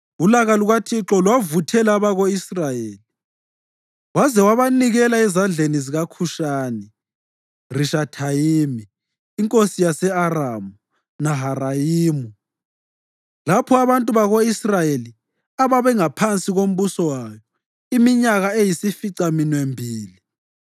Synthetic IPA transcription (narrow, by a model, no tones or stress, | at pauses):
ulaɣaluɣatʰiǁɔlwavutʰɛlaːβaɣoisrajeːli | wazɛwaβaniɣɛlaɛzand͡ɮʱeniziɣakʰuʃaːnɛ | riʃatʰajiːmiː | ŋkʼosijasɛaramu | naɦarajiːmu | lapʰɔaβantʼuβaɣoisrajeli | aβaβɛŋapʰant͡sʼiɣom̩βusɔwajɔ | imiɲaɣaejisifiǀaminwembʱiːli